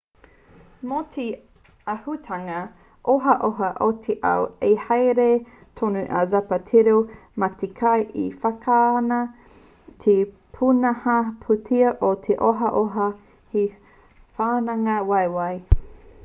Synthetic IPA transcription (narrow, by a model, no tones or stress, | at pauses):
motʰe | ahutʰɐŋɐ | ʔoɦɐʔoɦɐʔotʰeʔɐ̰wehɐjɾe | tʰonuʔa̰zɐpɐtʰiɾomɐt̪ekʰajʔifɐkʰaːnɐ | tʰe | pʰunɐhɐpʰutʰiɐʔot̪ʰeʔoɦɐʔoɦɐ | hi | faːnɐŋɐwɐjwɐj